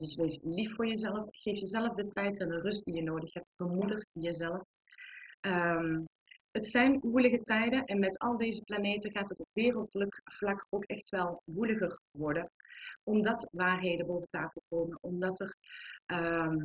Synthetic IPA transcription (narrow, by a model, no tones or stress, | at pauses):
d̥ɵsʋejsliffʊːɹjəzɛləfxejfjəzɛləfdətɛjtɛndərɵst̚dijənoːdəxhɛp̚tb̥əmudərjəzɛləf | ʔəm | ətsɛjnʋuləɣətɛjdənʔɛnmɛtɑlˠdejzəplaneːtəɣaːtətɔpʋɪːrəlˠtləkv̥lɑkowkɛxtʋɛlˠʋuləɣərʋɔɹdənʔɔmdɑtʋaːrɦeːdəbowvəntaːfəlˠkoːmənʔɔmdɑtərʔə